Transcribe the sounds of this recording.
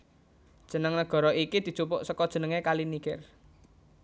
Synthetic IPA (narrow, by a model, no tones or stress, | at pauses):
d̥ʒ̥ə̤nəŋnəɡ̥ɔ̤ɾɔʔikid̪̥i̤t͡ʃupʊʔsəkɔd̥ʒ̥ə̤nəŋekalinikɪ̰r